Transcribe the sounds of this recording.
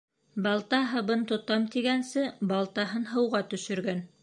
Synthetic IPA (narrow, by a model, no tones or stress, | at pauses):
bɑlˠt̪ɑɦɤbɤnt̪ŏt̪ɑmt̪iɡænsɘbɑlˠt̪ɑɦɤnɦɤ̆wʁɑt̪ɵ̆ʃɵ̆ɾɡæn